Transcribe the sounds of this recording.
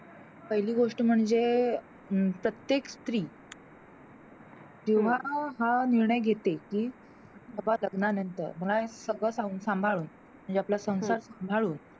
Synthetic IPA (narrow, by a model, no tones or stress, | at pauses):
pəɦiliːɡoʂʈəm̤əɳd͡ze | pɾət̪jekst̪ɾiː | d͡ʑeʋ̤aɦaniɾɳəjɡʱet̪ekiː | səbaləɡnanənt̪ə̰ɾm̤əɭaesəɡɭəsauːnsãmbʱaɭuːn | m̤əɳd͡zeaplasə̃w̃saɾsãmbʱaɭuːn